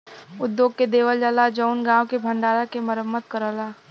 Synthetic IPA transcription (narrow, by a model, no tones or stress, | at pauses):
ʊd̪joːɡ̚ked̪eːʋəld͡ʒalad͡ʒəʊnɡãːwkebʱə̃ɳɖaːɾakeməɾəmːət̪̚kəɾəːlaː